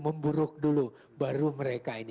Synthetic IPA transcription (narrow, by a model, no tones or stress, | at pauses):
məmbuɾʊk̚dulu | baɾuməɾekaini